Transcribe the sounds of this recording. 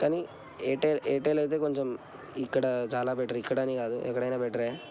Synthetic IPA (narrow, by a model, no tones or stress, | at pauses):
t̪ɐni | eːʈːeleːʈːelɐjt̪eːkoɲd͡ʒom | ikːɐɽɐt͡ʃaːlaːbeːʈɾikːɐɽɐniːɡaːd̪uʔɛkːɐɽɐjnabeʈːɾe